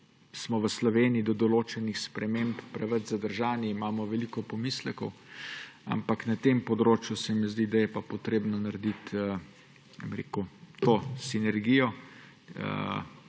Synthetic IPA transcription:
smɔʋəslɔʋeːniid̪ɔd̪ɔloːt͡ʃɛnixspɾɛmemppɾɛʋəd͡ʒzad̪əɾʒaːniimaːmɔʋɛlikɔpɔmislɛkɔw | a̰mpaknat̪empɔd̪ɾoːt͡ʃjusɛmizd̪id̪ajɛpapɔt̪ɾeːbnɔnaɾɛd̪it̪ː | bemɾḛːkut̪oːsinɛɾɡijɔ | ə

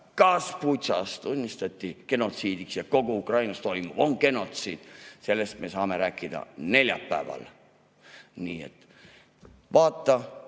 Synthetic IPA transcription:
kɑspujt̪sɑ̰st̪unʲːist̪ɑt̪ʲːike̞no̞t̪siːd̪iksjɑko̞ɡ̥uukrɑjnɑst̪o̞imuvoŋke̞no̞t̪siːd̪̥se̞lːe̞st̪mesɑːme̞ɾæːkːˑid̪̥ɑ̰ne̞lʲjɑ̰pːæ̰ːvɑ̰l | niːḛt̪ | vɑːt̪ːɑ

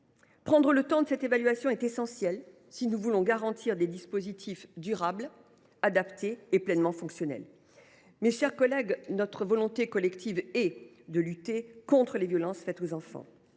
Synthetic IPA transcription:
pχɑ̃d̪ʁələt̪ɑ̃d̪əsɛt̪evalɥasjɔ̃ɛt̪esɑ̃sjɛl | sinuvulɔ̃ɡaʁɑ̃t̪ʰiʁd̪ed̪ispozit̪ʰifd̪yʁabl | ad̪apt̪eːplɛnmɑ̃fɔ̃ksjɔnɛ̰l | meʃɛʁkɔlɛɡnɔt̪χəvɔlɔ̃t̪ekɔlɛkt̪ʰivɛ | d̪əlyt̪ekɔ̃t̪χəlevjɔlɑ̃sfɛt̪ozɑ̃fɑ̰̃

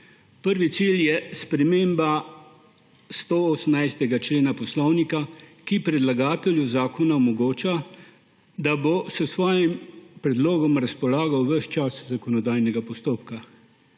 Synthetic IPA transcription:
pəɾʋit̪siːljɛspɾɛmeːmba | st̪ooːsəmnajst̪ɛɡat͡ʃleːnapɔslɔwnikakipɾɛd̪laɡaːt̪ɛljuzaːkɔnaɔmɔɡoːt͡ʃa | d̪abosəsʋɔːjimpɾɛd̪loːɡɔmɾaspɔlaːɡawʋəʃt͡ʃaszakɔnɔd̪aːjnɛɡapɔst̪oːpka

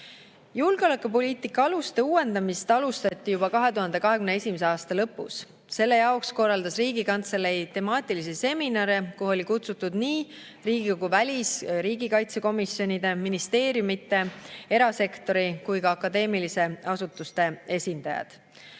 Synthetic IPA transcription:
julɡ̥eo̞le̞kupo̞liːt̪ːˑikːˑɑɑlust̪e̞uːwe̞nd̪ɑmist̪ɑlust̪ɑt̪ʲːijubɑkɑɦe̞t̪uɦɑnd̪e̞kɑɦe̞kymnee̞sʲimese̞ɑːst̪ɑlɤpːˑṵs | se̞lːe̞jɑoksko̞rːɑld̪ɑsriːɡikɑnt̪selːe̞jt̪e̞mɑːt̪ʲːˑilisese̞minɑɾekoɦo̞lʲikut̪sut̪ːˑud̪̥niː | riːɡiko̞ɡ̥uvælʲisɾiːɡikɑjt̪se̞ko̞misjo̞nʲid̪̥e̞minist̪e̞ːɾjumit̪ːˑe̞e̞ɾɑse̞kt̪o̞ɾikujkɑɑkːˑɑd̪e̞ːmilise̞ɑsut̪ːˑust̪e̞e̞sʲind̪̥ɑjɑ̰d̪̥

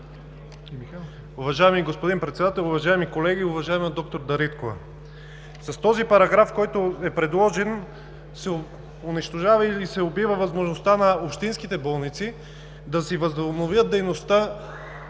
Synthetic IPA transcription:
ʊvɐʒaɛmiɡospod̪inpɾɛt̪sɛd̪at̪ɛlˠʊvɐʒaɛmikolɛɡiʊvɐʒaɛmd̪ɔk̚t̪oɾd̪ɐɾit̪kovɐ̰ | sɐst̪ɔzipɐɾɐɡɾafkɔjt̪oɛpɾɛd̪lˠɔʒɛn | sɛ | ʊniʃt̪oʒavɐiisɛobivɐvɐzmoʒnost̪anɐopʃt̪inskit̪ɛbɔlˠnit̪si | d̪ɐsivɐznovjət̪̚d̪ɛjnost̪a

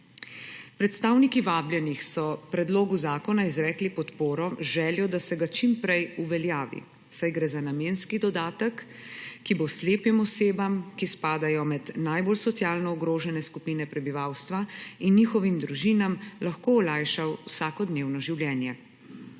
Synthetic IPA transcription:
pɾɛt̪st̪aːwnikiʋaːbljɛnixsɔpɾɛd̪loːɡuzaːkɔnaizɾɛːklipɔt̪poːɾɔʒɛːljɔd̪asɛɡat͡ʃimpɾɛjuʋɛljaːʋḭ | sajɡɾɛːzanameːnskid̪ɔd̪aːt̪əkː | ibosleːpimɔseːbamkispaːd̪ajɔmɛd̪naːjbolsɔt̪sjaːlnɔɔɡɾoːʒɛnɛskupiːnɛpɾɛbiʋaːwst̪ʋainːiːxɔʋimd̪ɾuʒiːnamlaxkoɔlajʃawwsaːkɔd̪neːwnɔʒiwljɛːnjɛ

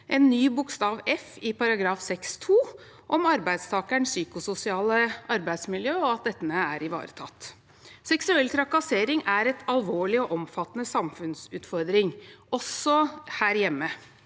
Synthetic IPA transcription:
ʔɛnːyːbʊkst̪ɑːʋɛfɪpɑɾɑɡɾɑːfsɛkst̪ʰuː | ʔɔmɑɾbæɪd̪st̪ʰɑːkəɳsyːkʊsʊsɪɑːləʔɑɾbæɪd̪smɪljøːɔɑt̪̚d̪ɛt̪ːənəæɾɪʋɑ̰ːɾət̪ʰɑ̰t̪ː | sɛksʉɛlt̪ʰɾɑkɑseːɾɪŋæɾɛt̪ɑlʋoːɭɪɔʔɔmfɑt̪ːənəsɑmfʉnsʉːt̪fɔɾd̪ɾɪŋɔsːɔhæːɾjɛmːə

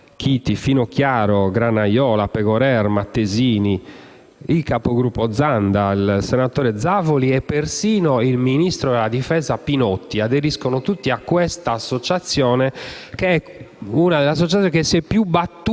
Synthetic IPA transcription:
k̟ʰit̪ifinok̟jaːɾɔɡɾanajɔːlapɛɣɔɾɛɾmat̪ːeziːni | ilkapoɡɾupːɔd̪zand̪ailsɛnat̪oːɾɛd̪zːavoliɛpːersiːnoilminist̪ɾɔd̪ɛlad̪ifɛːzapinɔt̪ːiad̪eɾiskonot̪ut̪ːiakːwɛst̪aːsːot͡ʃat̪sːjɔːnɛkeɛ | unad̪ɛlːas̬ːott͡ʃat̪jɔnkesːɛpːjubat̪ːu

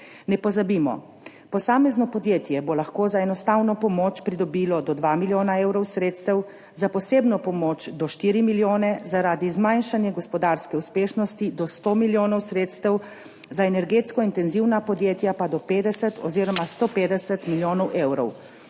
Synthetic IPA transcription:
nɛpɔzabimɔ̰ | pɔsaːmɛznɔpɔd̪jeːt̪jɛbolaxkoːzaɛnɔst̪awnɔpɔmoːt͡ʃpɾid̪ɔbiːlɔd̪ɔd̪ʋamiljoːnaeːwɾɔwsɾeːt̪st̪ɛw | zapɔseːbnɔpɔmoːt͡ʃd̪ɔʃt̪iːɾimiljoːnɛzaɾaːd̪izmajnʃanjɛɡɔspɔd̪aɾskɛuspeːʃnɔst̪id̪ɔst̪oːmiljoːnɔwsɾeːt̪st̪ɛw | zaɛnɛɾɡeːt̪skɔint̪ɛnziwnapɔd̪jeːt̪japad̪ɔpeːd̪ɛsɛt̪ɔziɾɔmast̪oːpeːd̪ɛsɛt̪miljoːnɔwʔewɾɔ̰w

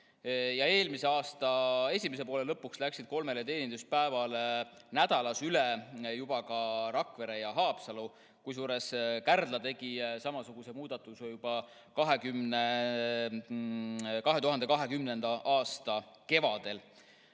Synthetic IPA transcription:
jɑe̞ːlmiseɑːst̪ɑe̞sʲime̞s̬epo̞ːle̞lɤpːˑukslæksid̪̥̚ko̞lme̞let̪e̞ːnind̪us̚pæevɑlnæd̪̥ɑlɑsylejub̥ɑkɑɾɑkve̞ɾe̞jɑɦɑːpsɑlu | kujs̬uːɾe̞skærd̪̥lɑt̪e̞ɡ̥isɑmɑsuɡ̥use̞muːd̪̥ɑt̪ːˑusejub̥ɑ | kɑɦe̞kymne | kɑɦe̞t̪uɦɑnd̪e̞kɑɦe̞kymne̞nd̪̥ɑʔɑːst̪ɑ | ke̞vɑd̪̥e̞l

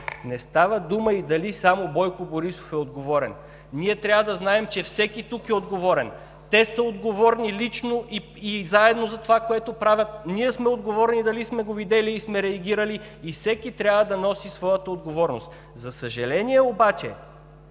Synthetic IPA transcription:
nɛst̪avəd̪uməid̪ɐlisamobɔjkoboɾiso̥fɛod̪ɡovɔɾɛn | niɛt̪ɾʲjavəd̪ɐznaɛmt͡ʃɛfsɛkit̪ukɛod̪ɡovɔɾɛn | t̪ɛsəod̪ɡovɔɾnilit͡ʃnoʔi | izaɛd̪nozɐt̪ovakoɛt̪opɾavʲət̪̚niɛsmɛod̪ɡovɔɾnid̪ɐlismɛɡovid̪ɛliːsmɛɾɛɐɡʲiɾəliː | fsɛkit̪ɾʲjavəd̪ɐnɔsisvɔjət̪əod̪ɡovɔɾnost̪ | zɐsəʒɐlɛniɛobat͡ʃɛ̰

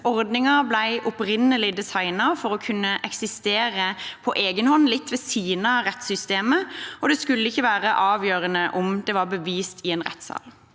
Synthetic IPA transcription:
ɔɾd̪nɪŋɑblæɪʔʊpɾɪnːəlɪd̪ɛsɑɪnɑfɔɾɔkʰʉnːəʔɛksɪst̪eːɾəpʰɔʔeːɡənhɔnlɪt̪ːʋɛːsiːnəʁɛt̪sʏst̪eːməɔd̪ɛskʉlːəɪçːəʋæːɾəʔɑːʋjøːɾənəʔʊmd̪ɛʋɑɾbəʋiːst̪ʰɪeːnʁɛ̰t̪ːsɑ̰ːl

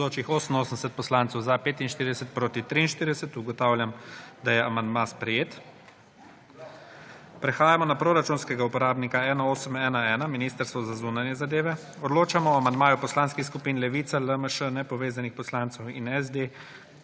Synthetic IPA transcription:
oːt͡ʃixoːsənoːsənd̪ɛsɛt̪̚pɔslant̪sɛwzapeːt̪inʃt̪iɾid̪ɛsət̪̚pɾoːt̪it̪ɾiːnʃt̪iɾid̪ɛsət̪uɡɔt̪awljamd̪ajɛamand̪maspɾɛjeːt̪ | pɾɛxaːjamɔnapɾoɾat͡ʃuːnskɛɡaupɔɾaːbnikaɛːnaoːsəmɛːnaɛːnaminist̪əɾst̪ʋɔzazuːnanjɛzad̪eːʋɛ | ɔd̪loːt͡ʃamɔɔamand̪maːjupɔslaːnskixskupiːnlɛʋiːt̪saləməʃənɛpɔʋeːzanixpɔslant̪sɔwḭnɛz̬d̪e

